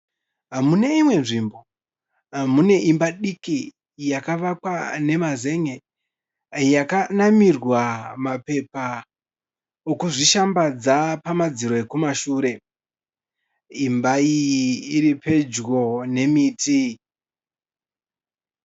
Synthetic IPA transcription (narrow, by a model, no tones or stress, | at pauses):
ɦamune̞imwe̞nʐimbo̞ | ɦamune̞ʔimbaɗiki | jakaʋakwane̞maze̞ŋe | jakanamirwamape̞pa | okuʐiʃambad͡zapamad͡ziɾo̞e̞kumaʃuːɾe̞ | imbaiiɾipe̞d͡ʒɡo̞ne̞miːtʰi